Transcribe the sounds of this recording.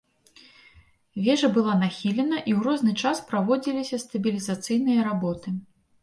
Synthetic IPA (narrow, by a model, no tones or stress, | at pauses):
vʲɛʐɐbɨlˠanaxʲilʲɛnɐʔiwrɔznɨt͡ʂaspɾavɔd͡zʲilʲisʲɐst̪ɐbʲilʲizat̪sɨjn̪ɨjɐɾabɔt̪ɨ